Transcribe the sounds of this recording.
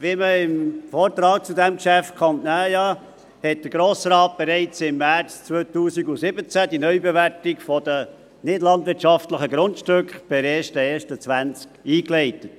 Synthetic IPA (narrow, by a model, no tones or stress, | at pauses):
ʋiməɪmfoːɾt̪ɾɑːk̚t͡sudæmkʃæftkʰɑntnæːjɑ | hɛt̚d̥̪əɾɡɾoːsɾɑːt̚b̥eɾɛɪt͡sɪmːæt͡st͡sʋœːt̪uːsiɡusɪbət͡sæd̥̪inœʏbɛʋæɾtɪkfɔd̥ə | nɪdlɑnd̪ʋɪɾtʃɑftləχəɡɾʊntʃtøkχb̥ɪɾeːʃtəeːʃtət͡sʋænt͡skiːklɛɪtət